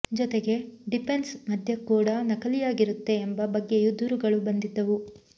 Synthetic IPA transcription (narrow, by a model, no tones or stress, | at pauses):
d͡ʒɔt̪eɡe̞ɖipʰe̞nsmɐd̪ʱjɐkːuːɽɐnɐkɐlijaːɡiɾut̪ːe̞ːmbɐbɐɡːejud̪uɾuɡɐɭubɐnd̪id̪ːɐʋu